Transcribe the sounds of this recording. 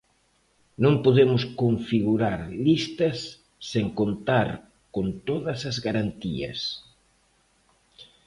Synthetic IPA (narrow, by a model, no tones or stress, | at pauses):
nõŋpoðemʊskoɱfiɣuɾaɾlist̪ɐsː | eŋkont̪aɾ | kont̪oðɐsɐzɣaɾant̪iɐ̰s